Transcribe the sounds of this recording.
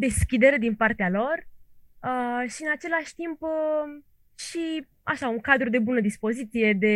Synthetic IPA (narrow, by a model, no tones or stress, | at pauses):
d̪e̞skʲid̪e̞ɾed̪inpart̪ealo̞rəʃiɨnat͡ʃe̞laʃʲt̪imp | ʃi | a̰ʃauŋkad̪ɾud̪e̞bunəd̪ispo̞zit̪sije̞d̪e̞